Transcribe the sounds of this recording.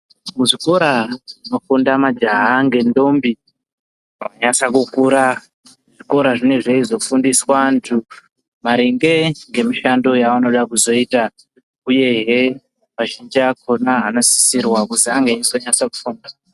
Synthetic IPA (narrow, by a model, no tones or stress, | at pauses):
muʐiko̞ɾaino̞fundamad͡ʒaɦaŋɡe̞ndo̞mbi | waɲasakukuːɾa | ʐ̥iko̞ɾaʐine̞ʐe̞izo̞fundiswantʰu | maɾiŋɡe̞ŋɡe̞miʃando̞jaano̞ɗakuzo̞ita | uje̞ɦe | maʒind͡ʒiakʰo̞naɦano̞si̥sirwakusiaŋɡeisoɲasakufunda